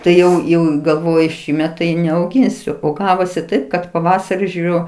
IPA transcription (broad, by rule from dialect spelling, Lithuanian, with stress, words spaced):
ˈtɐɪ ˈjɛʊ jɛʊ ɪ ɡɐlˠˈʋoːjʊ ˈʃʲiːmʲɛt tɐɪ nʲɛɐʊˈɡʲɪnʲsʲʊ oː ˈɡɑːʋoːsʲɪ ˈtɐɪp kɐt ˈpɑːʋɐsɐrʲɪ ʒʲʊˈrʲʊ